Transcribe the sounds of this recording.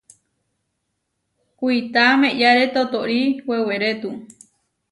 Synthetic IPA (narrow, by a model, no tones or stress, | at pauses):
kʷuit̪amẽʔjaɾet̪ot̪oʔɾiweweɾet̪u